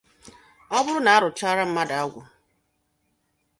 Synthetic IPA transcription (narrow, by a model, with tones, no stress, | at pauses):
ɔ˦bʊ˦ɾʊ˦na˨a˦ɾʊ˨t͡ʃa˦ɾa˦m̩˦ma˦da˨a˦ɡʷʊ̰˨